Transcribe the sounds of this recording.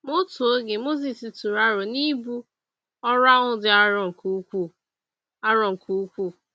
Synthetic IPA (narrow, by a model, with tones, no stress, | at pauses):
mʊ˦to˨o˦ɡe˨mo˦zi˨si˨tu˨ɾa˦ɾʊ˨ni˦bu˦ | ɔ˦ɾa˦ŋʊ˦dɪ˦a˦ɾɔ˨ŋ̩˨ku˦kʷu˦˨ | a˦ɾɔ˨ŋ̩˨kʰu˨˦kʷu˦˨